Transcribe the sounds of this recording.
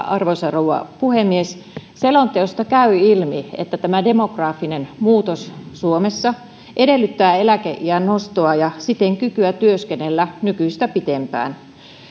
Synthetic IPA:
ɑrʋosɑrowɑ̰puhemːiesselont̪eost̪ɑkæyilmiḛt̪ːæt̪æmædemokrɑːfːinenmuːt̪ossuomesːɑ | ʔedelːyt̪ːæːelækeʔʔiænnost̪oɑjɑsit̪eŋkykyæt̪yøskenelːænykyist̪æpit̪empæ̰ːn

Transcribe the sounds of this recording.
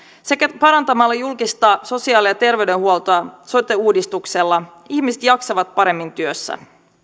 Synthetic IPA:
se̞kæpɑɾɑnt̪ɑmɑlːɑjulkist̪ɑːso̞siɑːliɑt̪e̞rʋe̞ɥde̞nhuolt̪oɑsot̪ːeuːdist̪ukselːɑ | içmiset̪jɑksɑʋɑt̪̚pɑɾe̞mːint̪yøsːæ̰

